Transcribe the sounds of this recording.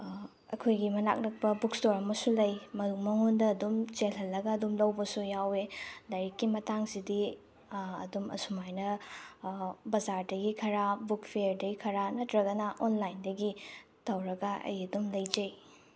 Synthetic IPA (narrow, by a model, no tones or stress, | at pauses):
ɐ̰kʰojɡimɐna̰k̚nɐk̚pɐbuk̚stoɾɐmɐsulɐjmɐduk̚mɐŋundɐːdumt͡ʃelɦɐlːɐɡɐːdumlɐwbɐsujawedɐɾekːimɐtaŋsidi | ɐ̰dumɐ̰sumajnɐ | bɐzaɾdɐɡikʰɐɾabuk̚pʰieɾdɐɡikʰɐɾanɐtɾɐɡɐnɐʔonlajndɐɡi | tʰɐwɾɐɡaʔɐ̰jɐdumlɐjd͡ʒej